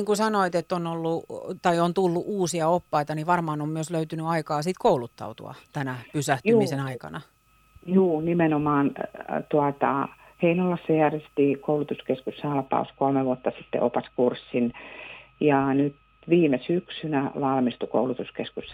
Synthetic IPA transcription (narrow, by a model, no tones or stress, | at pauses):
iŋkusɑnoit̪et̪ːonolːut̪ɑiont̪ulːuʔuːsiɑopːɑit̪ɑniʋɑrmɑːnommyøsløyt̪ynyɑikɑːsit̪koulut̪ːɑ̰ut̪ṵɑ̰t̪ænæpysæht̪ymisenɑikɑ̰nɑ | juːnimenomɑːnt̪uɑt̪ɑ̰ | heinolːɑsːɑjærʋest̪iːkoulut̪uskeskussɑlpɑ̰uskolmeʋuot̪ːɑsit̪ːḛʔopɑskursːin | jɑnyt̪ | ʋiːmesyksynæʋɑlmist̪uko̰ulut̪uskeskus